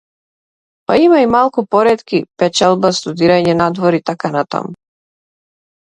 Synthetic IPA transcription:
paimaimalˠkupɔɾɛt̪kipɛt͡ʃɛlˠbast̪ud̪iɾaɲɛnad̪vɔɾit̪akanat̪a̰mu

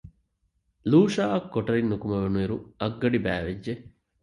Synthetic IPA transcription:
luːʃaːɐkːoʈɐɾinːukumɐʋenuiɾuɐɡːɐɖibæ̰ːʋeːe

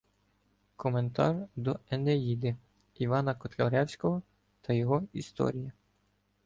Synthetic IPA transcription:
kʰɔme̞nt̪ɑ̰rd̪ɔenejid̪ɪ | iʋɑnɐkɔt̪lʲɐɾɛwsʲkɔɦɔ | t̪ʰɐjɔɦɔist̪ɔ̰ɾʲijɐ

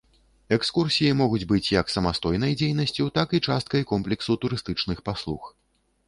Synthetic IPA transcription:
ɛkskursʲijimɔɣud͡zʲbɨt͡sʲjɐksɐmast̪ɔjn̪ɐjd͡zʲejn̪ɐsʲt͡sʲut̪akit͡ʂast̪kɐjkɔmplʲɛksut̪uɾɨst̪ɨt͡ʂnɨxpaslˠux

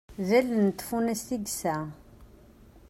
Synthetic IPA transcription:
ðælənt̪ːfunæst̪iɡsæ

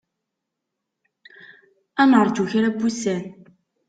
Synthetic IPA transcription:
ænəɾˤt͡suçɾæbusæn

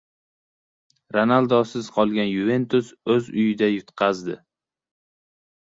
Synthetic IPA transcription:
ɾonalˠd̪ɒsɪz̥qʰɒlˠɡʲanjʊve̞nt̪ʊsɵzʊjɪd̪ajʊt̪qʰɑzd̪ɪ

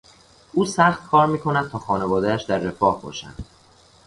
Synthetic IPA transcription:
ʔuːsæxt̪kʰɒːɾmiːkʰo̞næd̪̚t̪ʰɒːxɒːne̞vɒːd̪eæʃd̪æɾːe̞fɒːhbɒ̰ːʃæ̰nd̪̥

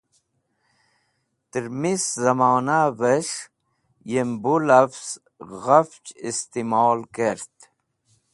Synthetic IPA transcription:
t̪əɾmiszɐmoːnavəʂ | jembulɐfz̥ | ɣaft͡ɕist̪imoːlkeɾt̪

